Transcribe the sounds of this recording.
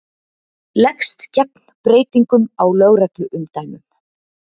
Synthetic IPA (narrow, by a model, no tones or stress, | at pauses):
lɛkst̪cɛpn̥pɾeːjt̪iŋkʏmawlœːɣɾɛklʏʔʏmt̪aːjmʏm